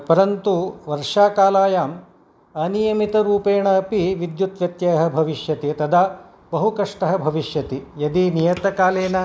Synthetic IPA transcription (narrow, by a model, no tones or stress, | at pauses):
pɐɾɐnt̪uʋɐɾʂaːkaːlaːjaːm | ɐnijɐmit̪ɐɾuːpeːɳɐɐpiʋid̪jut̪ʋjɐt̪jɐːɦɐ̆bʱɐʋiʃjɐt̪it̪ɐd̪ʱaː | bɐɦukɐʂʈɐɦɐ̆bʱɐʋiʂjɐt̪ijɐd̪inijɐt̪ɐkaːleːnɐ